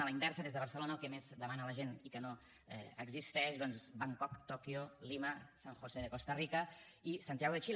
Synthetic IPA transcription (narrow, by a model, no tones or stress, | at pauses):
ələimbɛɾsəðezðəβəɾsəlonəlˠkɛmezd̪əmanələʒenikəno | ɛ̰əɡzist̪ɛʃðɔnzbaŋkɔkt̪ɔkjoliməsaŋxoseðəkost̪ərikə | isant̪ijaɣoðət͡ʃi